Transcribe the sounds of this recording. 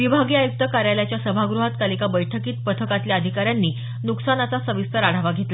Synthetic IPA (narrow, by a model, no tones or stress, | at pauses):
ʋibʱaɡiːajuk̚t̪əkaɾjaljat͡ɕjasəbʱaɡɾuɦat̪kalikabəjʈʰəkiːt̪̚pət̪ʰəkat̪ljaəd̪ʱikaɾjanːiː | nuksanat͡sasəʋist̪əɾaɽ̤aʋaɡʱet̪lə